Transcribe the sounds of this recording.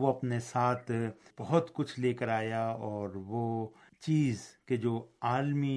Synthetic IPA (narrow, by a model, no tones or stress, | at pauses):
ʋoɐpnesaːt̪ʰb̥ɐɦʊt̪kʊt͡ʃʰleːkəɾaːjaɔːɾʋo | t͡ʃiːzked͡ʒoːaːlmi